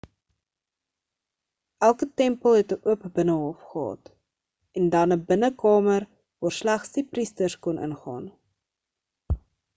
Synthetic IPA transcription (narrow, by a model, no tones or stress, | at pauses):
ʔælˠkətɛmpəlˠɦɛtəʔuəpbənəɦɔfχəɦɑ̰ːt | ɛndɐnəbənəkɑːmər | vɑːrslæχsdipristərskɔnʔə̰nχɑ̰ːn